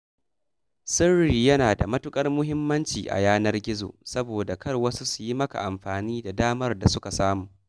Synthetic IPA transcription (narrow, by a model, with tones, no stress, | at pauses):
sɪ˦rːiː˨jɐ˦naː˨da˨mɐ˦tʊ˦kʼɐ˦rmʊ˦hɪ˦mːɐ˦nt͡ʃḭː˨ʔa̰˨jaː˦nɐ˦rɡʲɪ˦zo̰ː˨sɐ˦boː˨da˨kɐ˦rwɐ˦su˦su̥˨ji˦mɐ˦ka̰˨ʔa˨mɸaː˨niː˦da˨daː˦mɐ˦rda˨sʊ˦ka˨saː˦muː˨